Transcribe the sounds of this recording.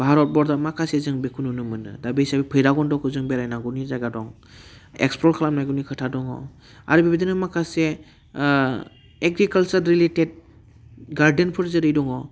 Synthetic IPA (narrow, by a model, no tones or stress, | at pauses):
bʱaɾɔt̚bɔɾdamakʰasezɯŋbekʰununɯmɯnɯ̰dabiisabipʰɯjɾaɡɔndɔkʰɯzɯŋbeɾajnaɡunizajɡadɔŋ | ḛkspɾɔlkʰalamnajɡunikʰɯtʰadɔŋɔ̰ | a̰ɾɯbibidinɯmakʰase | eɡɾikalsaɾɾileted̚ | ɡaɾdenpʰɯɾzɯɾɯjdɔŋɔ